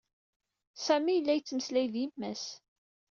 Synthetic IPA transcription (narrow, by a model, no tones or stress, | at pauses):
sæmijəlːæjət͡sːməslæjðjimːæs